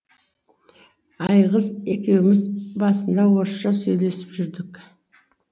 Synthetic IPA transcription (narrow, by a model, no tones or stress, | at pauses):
ɑjʁəze̞kʲe̞wɪmɪzbɑsənd̪ɑwoɾʃɑsɵjle̞sɪpʒʏɾd̪ɪk